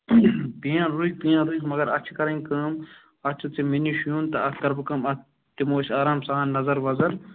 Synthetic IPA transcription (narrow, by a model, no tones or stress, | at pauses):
pijãːɾuik̚pijãːɾuikmɐɡɐɾɐt͡ʃʰkɐɾɐ̃ŋʲkəːm | ɐt͡ʃʰɐt͡siminiʃjũːnt̪ɐɐkɐɾbɨkɐmɐ | t̪imoːʃaːɾaːmsaːnnːɐzɐɾʋɐzɐɾ